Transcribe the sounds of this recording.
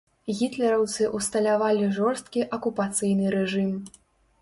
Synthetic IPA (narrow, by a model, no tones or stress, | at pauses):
ɣʲit̪lʲɛɾɐwt̪sɨʔust̪ɐlʲavalʲiʐɔrst̪̚kʲiʔɐkupat̪sɨjnɨɾɛʐɨm